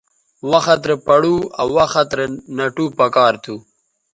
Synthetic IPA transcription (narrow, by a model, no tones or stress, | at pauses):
waxat̪̬ɾepɐɽua̰waxat̪ɾenɐʈupɐkɑːɾt̪ʰu